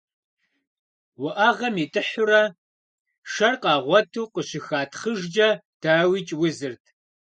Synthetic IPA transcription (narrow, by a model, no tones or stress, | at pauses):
wʊʔaʁɐmiːtʼɨħʊɾɐ | ʂɐrqɑːʁʷɔtʰuːqəɕɪxaːtʰχəʒd͡ʒɐd̥aːwiːt͡ʃʼwʊzɨrtʰ